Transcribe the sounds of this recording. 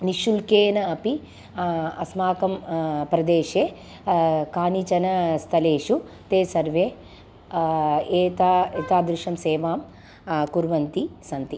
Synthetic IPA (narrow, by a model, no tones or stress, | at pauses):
niʃulkeːnɐɐpi | ɐsmaːkɐmpɾɐd̪eːʃeː | kaːnit͡ʃɐnɐst̪ʰɐleːʂu | t̪eːsɐɾʋeː | eːt̪aːet̪aːd̪ɾuʃʂɐmseːʋaːm | kuɾʋɐnt̪isɐnt̪i